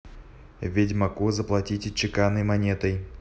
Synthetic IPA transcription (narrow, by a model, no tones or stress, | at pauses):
vʲɪdʲmɐkuzəplˠɐtʲitʲɪt͡ɕɪkanəjmɐnʲet̪əj